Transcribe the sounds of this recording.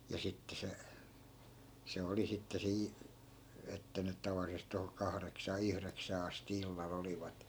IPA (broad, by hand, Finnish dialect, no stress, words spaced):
jɑ sitːe se se oli sitːe siː etːæ nyt̆ tɑʋɑlːisest̆ toho kɑhreksɑː yhreksæː ɑsti ilːɑl oliʋɑt